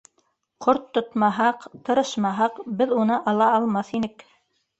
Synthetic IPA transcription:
qoɾt̪ːŏt̪mɑɦɑqt̪ɤ̆ɾɤʃmɑɦɑqbɘðunɤʔɑlˠɑɑlˠmɑθinɘk

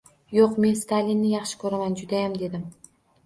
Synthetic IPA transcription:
joqme̞nst̪ʰalʲinːɪjɑχʃɪ̥kʰɵɾamand͡ʒʊd̪ajamd̪e̞d̪ɪm

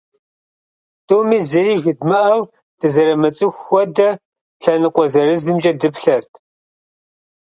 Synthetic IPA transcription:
tʰʼoːmiːzɨriːʒɪdmɨʔɐw | d̥ɨzɐɾɐmɐt͡sʼɨxʷɔdɐ | ɬɐnɨqʷɔzɐrɨzɨmt͡ʃʼɐdɨpɬɐrtʰ

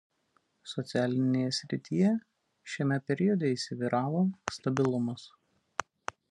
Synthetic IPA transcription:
sɔt̪sʲɪæːlʲɪnʲeːjɛsʲɾʲɪt̪ʲijɛ | ʃʲɛmʲɛpʲɛɾʲɪɔd̪ʲɛisʲɪʋʲiːɾʔɑːʋoːst̪ɐbʲɪlˠʊmɐs

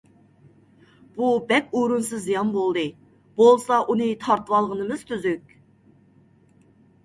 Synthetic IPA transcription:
b̥ubɛkʲuɾunsɨzːijɑnbolˠd̪ɨ | b̥olˠsɑʔunɨt̪ʰɑɾt̪ɨwɑlˠʁənɨmɨz̥t̪ʰyzykʲ

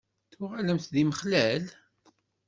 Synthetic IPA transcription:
θʊʁaləmθðiməχlæl

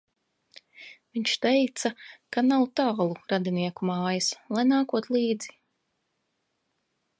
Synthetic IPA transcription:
viɲt͡ʃt̪ɛjt̪sakanawt̪aːlˠuɾad̪iniɛkumaːjaslˠajnaːkuɔt̪lˠiːd̪z̥i̥

